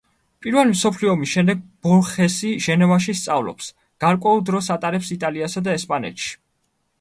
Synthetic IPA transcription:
pʼiɾvɛlimsɔpʰliɔmisʃɛmd̪ɛɡ̚b̥ɔlχɛsiʒɛnɛvaʃist̪sʼavlɔ̰ps | ɡ̥aɾkʼwɛulˠd̪ɾɔsat̪ʼaɾɛpsit̪ʼaliasad̪aɛspʼanɛ̰t̪ʃi̥

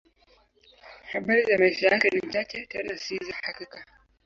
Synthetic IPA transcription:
habɐzamasijakɐnɪntakʲetɐnaːsizahakika

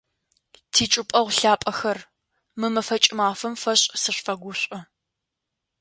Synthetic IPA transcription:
tʰiːt͡ʃʼɪpʼɐʁʷɬaːpʼɐxɐr | mɨmɐfɐt͡ʃʼɪmaːfɐmfɐɕʼsɨɕʷfɐɡʷʊɕʷʼɐ

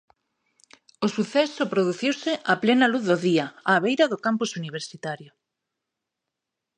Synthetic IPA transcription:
osuθɛsopɾoðuθiwsɪʔaplenaluθðoðiaaːβ̞ejɾaðokampusuniβ̞eɾsit̪aɾjo

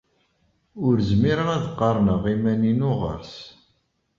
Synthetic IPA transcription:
ʊɾzmiɾəʁæðqːɑɾˤnəʁimæninʊʁə̰ɾs

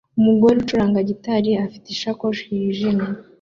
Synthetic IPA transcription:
umuɡoɾut͡ʃuɾaːŋɡaɟitaɾiafi̥tiʃakoʃiiʒime

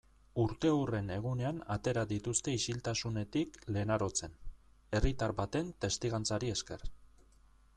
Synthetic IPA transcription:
uɾt̪e̞ure̞ne̞ɣune̞anat̪e̞ɾaðit̪ust̪e̞isilt̪asune̞t̪ikle̞naɾo̞t͡se̞n | e̞rit̪aɾbat̪e̞nt̪e̞st̪iɣ̞ant͡saɾieske̞r

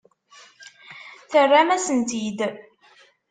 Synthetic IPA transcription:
θərːamæsənt̪id̪

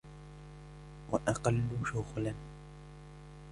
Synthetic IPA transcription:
wa̰ʔɑqɑlːʊʃʊɣlan

